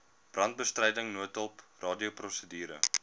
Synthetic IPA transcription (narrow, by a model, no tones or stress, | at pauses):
b̥rɐnt̚bəstrəjdəŋnuətəlˠprɑːdiəprɔsədiːɾə̰